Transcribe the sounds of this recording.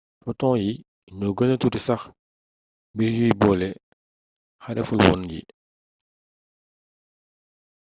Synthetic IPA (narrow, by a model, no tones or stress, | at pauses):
fɔtɔ̃ːji | ɲɔɡənətutisɐx | biɾjujbɔlɛ | xɐdɛfulwɔ̰njḭ